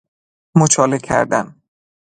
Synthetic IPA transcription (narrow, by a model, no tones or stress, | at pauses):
mot͡ʃʰɒːlekʲʰæ̰ɾd̪æ̰n